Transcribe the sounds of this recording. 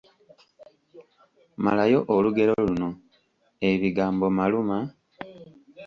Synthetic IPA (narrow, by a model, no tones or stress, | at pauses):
ma̰lajo̞ʔoluɡe̞ɾo̞luno̞ | e̞βiɡaːmbomaluma